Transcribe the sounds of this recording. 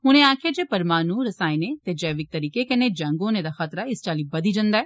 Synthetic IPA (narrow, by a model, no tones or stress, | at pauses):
ɦʊñẽaːkʰjad͡ʒeːpɐɾmaːnũːɾɐsaːinet̪ed͡ʒɛːʋɪk̚t̪ɐɾiːkekɐned͡ʒɐ̃ŋɡõnẽd̪axət̪ɾaɪst͡ʃaːlibɐd̪id͡ʒɐ̃nd̪aɛː